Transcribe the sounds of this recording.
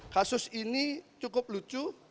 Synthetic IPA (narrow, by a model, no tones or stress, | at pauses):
kasʊsinit͡ʃukʊp̚lut͡ʃu